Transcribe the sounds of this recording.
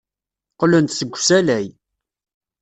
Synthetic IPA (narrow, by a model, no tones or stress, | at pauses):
qlənt̪səɡʷːsælæj